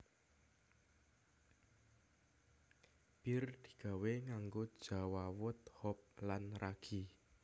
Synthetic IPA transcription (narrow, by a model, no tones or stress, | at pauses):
b̥ird̪̥i̥̤ɡ̥a̤weŋaŋɡod̥ʒ̥a̤wawʊt̪̚hɔp̚lanraɡ̥i